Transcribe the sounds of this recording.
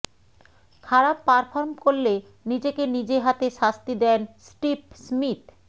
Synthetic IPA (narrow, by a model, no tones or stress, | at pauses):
kʰaɾapːaɾfʰoɾmkoɾle | nid͡ʑekenid͡ʑeɦat̪eʃast̪id̪ɛnsʈip̚smit̪